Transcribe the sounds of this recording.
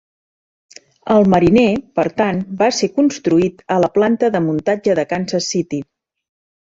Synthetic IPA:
əlˠməɾinepəɾt̪anbasekunst̪ɾuit̪ələplant̪əðəmunt̪ad͡ʒəðəkansəsit̪i

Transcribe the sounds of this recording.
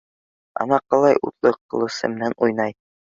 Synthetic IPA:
ɑ̰nɑqɤ̆lˠɑjʔṵt̪lˠɤqːɤ̆lˠɤ̆sɤ̰mɘ̆nænʔujnɑj

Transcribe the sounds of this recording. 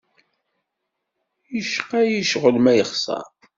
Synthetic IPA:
jəʃqæjiʃʁəlmæjəχsˤɑ̰ˤ

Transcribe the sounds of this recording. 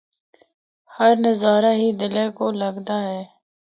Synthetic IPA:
həɾnəzaːɾaːɦiːd̪ɪlẽːkoːləɡd̪aːɦɛː

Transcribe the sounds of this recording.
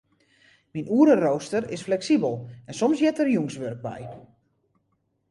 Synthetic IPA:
minuəɾəroːstərɪsflɛksibəlˠɛnsɔmsjɛtərjuŋsʋørk̚bɛ̰j

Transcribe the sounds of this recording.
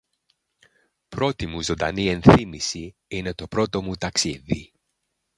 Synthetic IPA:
pɾo̞t̪imuzo̞nd̪ɐ̰nie̞nθimisiine̞t̪o̞pɾo̞t̪o̞mut̪ɐksḭðḭ

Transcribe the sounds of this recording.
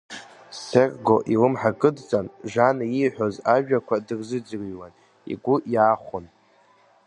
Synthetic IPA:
serɡo̞ʔilɨmħakʼɨdt͡sʼanʒanaiħʷᶣo̞zaʒᶣakʷʰadɨrzɨd͡zriwan | ḭɡʷʊʔjaːχʷʊn

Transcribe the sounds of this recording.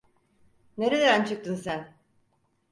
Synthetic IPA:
ne̞ɾed̪eænt͡ʃʰɯk̚t̪ʰɯnsæn

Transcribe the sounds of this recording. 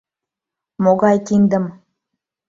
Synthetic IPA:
moɣɑjkind̪ə̆m

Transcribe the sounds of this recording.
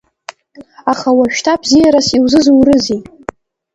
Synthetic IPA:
aχawaʃᶣtʰabzijaɾasiwzɨzuwrɨzi

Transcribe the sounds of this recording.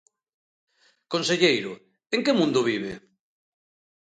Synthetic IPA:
konseʎejɾʊ | eŋkɪmũnd̪ʊβ̞iβ̞e

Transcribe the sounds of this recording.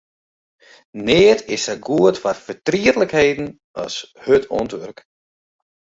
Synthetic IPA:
neːətɪsɛɡuətfarfətriətləkhejdn̩ | ɑ̰shøtʰɔ̰ntʋørk

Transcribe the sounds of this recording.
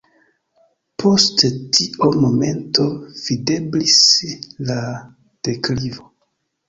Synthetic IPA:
pʰo̞sttʰiomo̞me̞nto̞v̥ide̞blisla | d̥eklivo

